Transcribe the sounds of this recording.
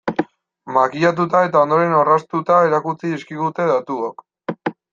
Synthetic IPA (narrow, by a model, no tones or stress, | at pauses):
makiʎat̪̬ut̪ae̞t̪ao̞nd̪o̞ɾe̞norast̪ut̪aeɾakut͡siiskiɣut̪e̞ðat̪uok